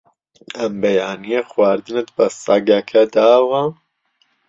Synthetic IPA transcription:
ʔɐmbɐjaːnijɐxwaːɾd̪ɨnɨt̪̚bɐsɑɡɐkʰɐd̪aːwɐ

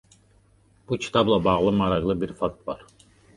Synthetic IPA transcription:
b̥ucʰi̥t̪ʰɑblˠabɑʁlˠɯmɑɾɑɣlˠɯbiɾfɑk̚t̪vɑɾ

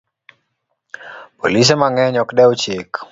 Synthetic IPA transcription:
pɔ̰lis̬ɛmaŋɛɲɔkɗɛut͡ʃik

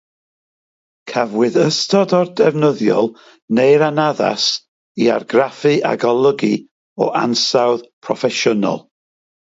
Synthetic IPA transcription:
kʰavwɨðəstʰɔdɔrdɛvnəðjɔ̰lˠ | nejɾanaða̰s | ia̰rɡrafɨʔa̰ɡɔlˠəɡi | ɔ̰ʔansawðpʰrɔfɛʃʊnɔ̰lˠ

